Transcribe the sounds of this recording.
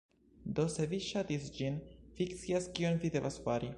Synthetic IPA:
d̪oseviʃat̪isd͡ʒinfikt̪siaskionvid̪evasfaɾi

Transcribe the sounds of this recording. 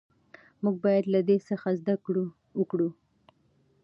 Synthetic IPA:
muɡ̚bɑjad̪lad̪esəxazd̪akɽu | wəkɽu

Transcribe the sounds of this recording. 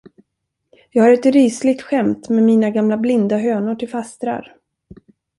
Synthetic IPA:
jɑːɡaɾɛt̪ɾiːslɪɡ̚t̪ɧɛmt̪mɛːmiːnaɡamlablɪnd̪aɦøːnʊʈʰɪlfast̪ɾa̰ɾ

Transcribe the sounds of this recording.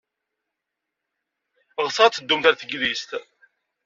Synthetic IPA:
ʁsɑʁt͡sːəd̪ːumθæɾθəɡðist̪

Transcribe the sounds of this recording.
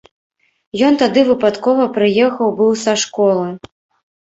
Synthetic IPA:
jɔnt̪ad̪ɨvɨpat̪kɔvɐpɾɨjɛxɐwbɨwsaʂkɔlˠɨ

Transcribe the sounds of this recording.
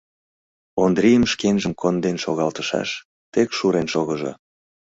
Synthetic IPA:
ond̪ɾijəmʃkenʒəmkʰond̪enʃoɣɑlt̪ə̥ʃɑ̰ʃ | t̪ekʃuɾenʃoɣəʒo̰

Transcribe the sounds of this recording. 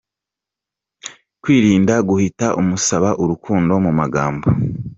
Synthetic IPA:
kwiːɾiːndaɡuhitaʔumusaβaʔuɾukʰuːndo̞mumaɡaːmbo

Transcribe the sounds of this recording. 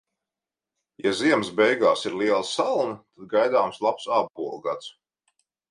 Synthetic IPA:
jaziɛmsbɛjɡaːsiɾliɛlˠsalˠnat̪ad̪̚ɡajd̪aːmslˠapsab̚buɔlˠɡat̪s

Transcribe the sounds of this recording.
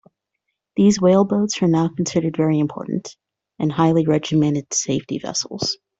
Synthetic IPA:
ðizweɪlˠboʊtz̥ə˞naʊkʰn̩sɪɾə˞dvɛɹiɨ̃mpʰɔ̰ɹʔn̩t | ʔɨ̃nhaɪlˠiɹɛd͡ʒɨmɛ̃ɾ̃ɨd̥seɪftḭvɛ̰sl̩ˠz̥

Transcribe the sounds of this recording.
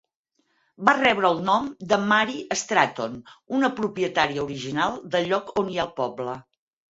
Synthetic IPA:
barɛβɾəːlˠnɔmd̪əmaɾiʔəst̪ɾat̪onunəpɾupiət̪aɾiəuɾiʒinalˠd̪əʎːɔkoniaəlˠpɔblə

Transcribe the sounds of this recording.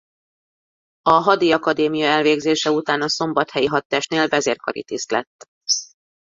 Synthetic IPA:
ɒɦɒd̪iɒkɒd̪eːmijɒɛlveːɡzeːʃɛut̪aːnɒso̞mbɒt̪hɛjiɦɒt̪ːɛːʃneːlbɛzeːrkoɾḭt̪ist̪lɛ̰t̪ː

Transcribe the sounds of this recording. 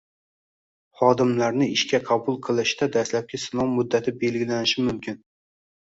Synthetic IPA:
χɑːd̪ɪmlæɾnɪiʃkʲɛqʰɑbulˠqʰəlˠɨʃd̪ɛd̪ɛslɛp̚kʲɪsɨnɑmmːud̪ːæt̪ʰɪbelɡʲilænɪʃɪmʊmkʲʰɪn

